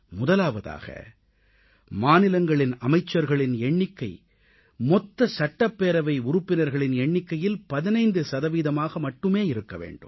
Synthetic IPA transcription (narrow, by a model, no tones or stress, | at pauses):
mʊðɐlaːʋɐða̰ːɣɐ̰ | maːnɪlɐŋɡɐɭɪnɐmɐɪt͡ʃːɐɾɣɐɭɪnɛɳːɪkːɐɪ | mɔt̪ːɐsɐʈːɐpːeːɾɐʋɐɪʊɾʊpːɪnɐɾɣɐɭɪnɛɳːɪkːɐjɪlpɐðɪnɐɪnd̪ɯsɐðɐʋiːðɐmaːɣɐmɐʈːɯmeːɪɾɯkːɐʋḛːɳɖɯ̰m